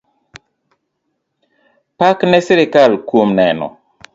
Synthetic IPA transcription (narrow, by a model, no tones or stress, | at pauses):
paknɛsiɾɪkalkwomnɛnɔ̰